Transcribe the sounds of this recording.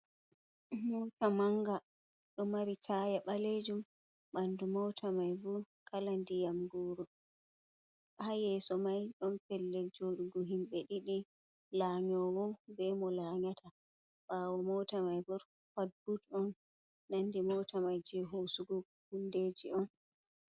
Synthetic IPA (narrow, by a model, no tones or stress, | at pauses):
mɔtamaŋɡa | ɗɔmaɾitʰajaɓaled͡ʒum | ɓandumɔwtʰamajbuɾ | kʰalandijamɡɔːɾɔ | hajɛsɔmajɗɔnpɛlːɛd͡ʒoɗuɡɔɦimɓɛɗiɗi | laɲɔwɔbɛmɔlaɲatʰa | ɓawɔmɔwtamajbuɾ | fadutɔnː | andimɔwtʰamajd͡ʒɛɦusuɡɔ | hundeːd͡ʒiɔn